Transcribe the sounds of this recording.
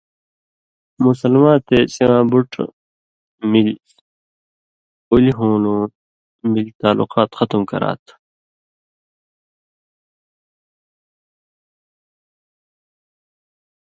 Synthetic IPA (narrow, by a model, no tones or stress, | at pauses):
musəlmãːt̪eːsiãːbuʈʰ | mil | uliɦõːnũː | milt̪aːlṵqaːt̪xʌt̪mkɐ̰ɾa̰ːt̪ʰ